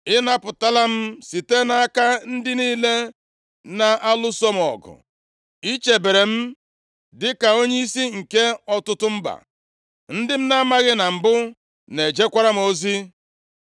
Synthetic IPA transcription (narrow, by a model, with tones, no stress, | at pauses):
ɪ˦na˦pʊ˨ta˦la˦m̩˦si˨te˦na˦a˦ka˦n̩˦dɪ˦niː˦le˦ | na˨ʔa˦lʊ˦so˦m̩˨ɔ̰˨ɡʊ̰˨ | i˦t͡ʃe˨be˨ɾe˨m̩˦ | dɪ˦ka˨o˦ɲe˦i˦si˦ŋ̩˨ke˦ɔ˦tʊ˦tʊ˦m̩˦ba̰˨ | n̩˦dɪ˦m̩˦na˦ma˦ɣɪ˦na˨m̩˨bʊ˦ | ne˨d͡ʒe˦kʷa˦ɾa˦m̩˦o˦zi˦